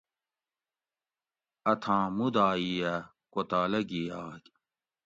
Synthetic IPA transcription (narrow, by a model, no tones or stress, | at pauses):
ɐt̪ʰãːmud̪aːijɐ | kot̪aːlɐɡijaːkʲ